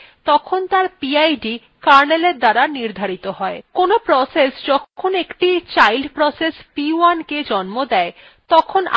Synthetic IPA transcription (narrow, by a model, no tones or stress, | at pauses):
t̪ɔkʰont̪aɾpiajɖi | kaɾneleɾd̪aɾaniɾd̪ʱaɾit̪oɦɔekonopɾɔsesd͡ʑɔkkʰonekʈit͡ɕajlɖpɾɔsespiuanked͡ʑɔnmod̪ɛe | t̪ɔkʰon